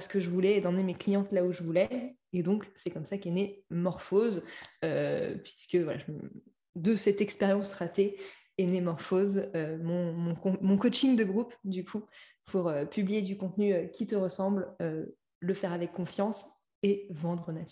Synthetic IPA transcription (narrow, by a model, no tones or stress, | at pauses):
sə̥kəʒəvulɛːd̪ɑ̃nemeklijɑ̃t̪lauʒəvulɛed̪ɔ̃ksɛkɔmsakɛnemɔʁfozøpɥiskəvwala̰ʒəm | d̪əsɛt̪ɛkspeʁjɑ̃sʁat̪e | enemɔʁfozømɔ̃ɔ̃kɔ̃mɔ̃kɔt͡ʃiŋd̪əɡʁupd̪ykʰu | pʰuʁøpyblijed̪ykɔ̃t̪nyøkʲit̪əʁəsɑ̃blø | ləfɛʁavɛkːɔ̃fjɑ̃s | evɑ̃d̪ʁənat̪